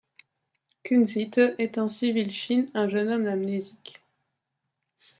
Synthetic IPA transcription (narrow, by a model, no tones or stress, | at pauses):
kynzit̪əʔɛt̪ɛ̃sivilʃinɛ̃ʒənɔmd̪amnezik